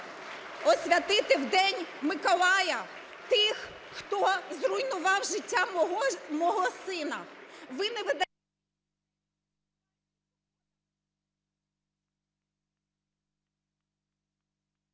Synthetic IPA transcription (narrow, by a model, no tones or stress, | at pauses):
ɔsʲʋʲɐt̪ɪt̪ɪwd̪ɛnʲmɪkɔlˠɑjɐ | t̪ɪx | xt̪ɔzrʊjnʊʋɑwʒɪtʲːaɦɔmɔɦɔsɪnɐʋɪnɛʋed̪